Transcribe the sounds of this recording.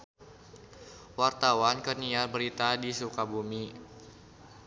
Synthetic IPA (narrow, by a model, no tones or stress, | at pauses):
wart̪awankərnialbəɾit̪adisukabumi